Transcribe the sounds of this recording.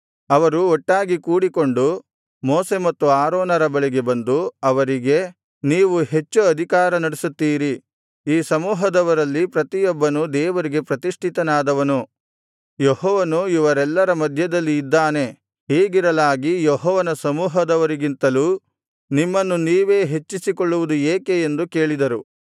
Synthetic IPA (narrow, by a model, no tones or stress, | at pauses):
ɐʋɐɾuɔʈːaːɡikuːɽiko̞ɳɖu | moːse̞mɐt̪ːuaːɾoːnɐɾɐbɐɭɛɡe̞bɐnd̪uɐʋɐɾiɡe̞ | niːʋuɦe̞t͡ʃːuɐd̪ʱikaːɾɐnɐɽesut̪ːiːɾi | iːsɐmuːɦɐd̪ɐʋɐɾɐlːipɾɐt̪ijɔbːɐnud̪ɛːʋɐɾiɡe̞pɾɐt̪iʂʈʰit̪ɐnaːd̪ɐʋɐnu | jehɔːʋɐnuiʋɐɾɛlːɐɾɐmɐd̪ʱjɐd̪ɐlːiːd̪ːaːne̞ | ɦeːɡiɾɐlaːɡijɔɦɔːʋɐnɐsɐmuːɦɐd̪ɐʋɐɾiɡint̪ɐluː | nimːɐnːuniːʋe̞ːɦe̞t͡ʃːisikɔɭːuʋud̪ueːkeend̪uke̞ːɭid̪ɐɾu